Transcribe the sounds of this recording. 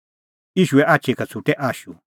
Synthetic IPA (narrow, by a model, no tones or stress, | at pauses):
iʃueʔat͡ʃekat͡sut̪eʔaʃu